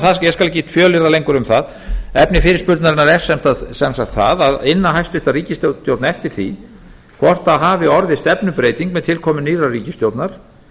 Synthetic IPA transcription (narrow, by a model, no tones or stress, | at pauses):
θasjɛskalɛcist̪fjœːlɪɾalejŋkʏɾʏmθað | ɛpnɪfɪːɾɪspʏɾt̪naɾɪnːaɾɛɾ̥sɛm̥t̪aðsɛnsakt̪θa̰ðaðɪnːaɦajst̪ʏht̪ariːcɪst̪ot̪jowt̪naɛft̪ɪɾ̥θḭ | kʰvɔr̥t̪aðɦaːvɪɔɾðɪst̪ɛpnʏpɾeːjt̪iŋkmɛðt̪ʰɪlkʰɔːmʏniːrariːcɪst̪jowt̪naɾ̥